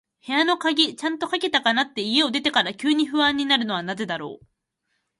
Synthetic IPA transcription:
he̞ano̞kaɡʲit͡ɕãnt̪o̞kake̞t̪akanat̪ːe̞ije̞o̞d̪e̞t̪e̞kaɾakʲɨːɲ̟iɸɯ̟βãɲ̟ːinaɾɯ̟no̞βanaze̞d̪aɾo̞̰ː

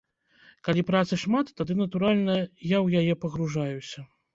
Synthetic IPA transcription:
kalʲipɾat̪sɨʂmat̪ːad̪ɨnɐt̪uɾalʲnɐjawjajɛpɐɣɾuʐajusʲɐ

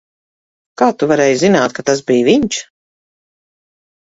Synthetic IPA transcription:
kaːt̪uvaɾɛːjzinaːt̪̚kat̪asbiːviɲt͡ʃ

